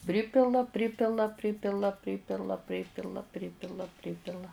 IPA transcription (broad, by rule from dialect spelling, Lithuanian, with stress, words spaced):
ˈpʲrʲɪpʲɪlˠɐ ˈpʲrʲɪpʲɪlˠɐ ˈpʲrʲɪpʲɪlˠɐ ˈpʲrʲɪpʲɪlˠɐ ˈpʲrʲɪpʲɪlˠɐ ˈpʲrʲɪpʲɪlˠɐ ˈpʲrʲɪpʲɪlˠɐ